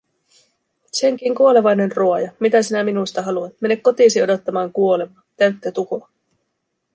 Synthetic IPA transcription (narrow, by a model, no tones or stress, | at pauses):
seŋk̟iŋkuole̞ʋɑjne̞nruɑjɑmit̪æs̬inæminujst̪ɑɦɑluɑnme̞nːekːo̞t̪iːsio̞do̞t̪ːɑmɑːŋkuo̞le̞mɑːnt̪æɥt̪ːøt̪uko